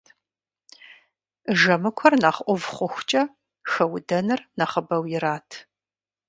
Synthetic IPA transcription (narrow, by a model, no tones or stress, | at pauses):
ʒɐmɨkʷʰɔrnaχʔʷʊvχʷʊxʷt͡ʃʼɐ | xɐwdɐnɨrnɐχəbɐwjɪɾaːtʰ